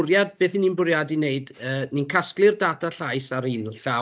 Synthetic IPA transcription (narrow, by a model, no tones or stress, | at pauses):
rjad̚beːθininbʊrjadineɨdəːninkʰasklˠɨrdaːdʰaɬajsaɾiːnɬa